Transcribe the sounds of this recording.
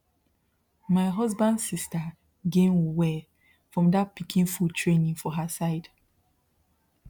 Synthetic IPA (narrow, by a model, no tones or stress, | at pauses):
maɪɦɔzbãndsista | ɡẽnwuwɛ | fɹɔ̃mdat̚pikʰĩnfultʰɹẽnĩŋfɔɦəsaɪd